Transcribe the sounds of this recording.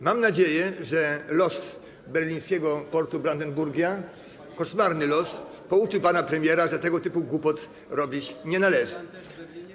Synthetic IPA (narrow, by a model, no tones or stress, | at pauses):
mamnad͡ʑejɛʐɛlɔs | bɛɾlʲĩj̃skʲɛɡɔpɔɾt̪ubɾand̪ɛnbuɾɡʲja | kɔʂmaɾnɘlɔs | pɔut͡ʂɘpanapɾɛmʲjɛɾaʐɛt̪ɛɡɔt̪ɘpuɡwupɔt̪ | ɾɔbʲit͡ɕɲɛnalɛʐɘ